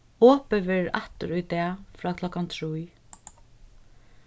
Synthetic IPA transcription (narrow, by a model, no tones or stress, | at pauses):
ɔːpəʋɪa̰ht̪ʊɾʊjt̪ɛːfɾaːkʰlɔkant̪ʰɾuj